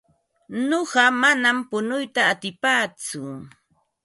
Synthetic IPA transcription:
noɢɑmanampʊnʊjt̪aːt̪ɪpaːt͡sʊ

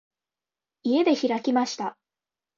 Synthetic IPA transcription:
ie̞d̪e̞çiɾakʲimaɕi̥t̪a

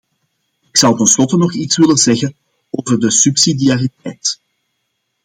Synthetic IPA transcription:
ɪksɑwtənslɔtənɔxitswʋɪlənzɛɣən | oːvərdəsypsidiaːritɛjt

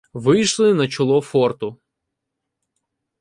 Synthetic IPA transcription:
ʋɪjʃlˠɪnɐt͡ʃɔlˠɔfɔrt̪ʊ

